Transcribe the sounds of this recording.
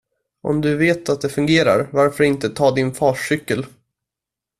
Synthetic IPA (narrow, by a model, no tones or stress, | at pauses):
ʔɔ̰md̪ɵveːt̪at̪̚d̪ɛfɵŋɡeːɾa̰ɾvaɾfœɾɪnt̪ət̪ʰɑːd̪ɪnfɑːʂʏkːəl